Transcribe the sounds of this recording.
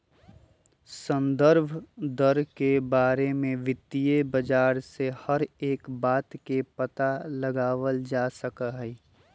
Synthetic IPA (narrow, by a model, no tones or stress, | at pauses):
sə̃nd̪əɾbʱd̪əɾkebaːɾemẽʋɪt̪ːijebəd͡ʒaːɾsehəɾeːkbaːt̪kepət̪aləɡaːʋəld͡ʒaːsəkəɦɛ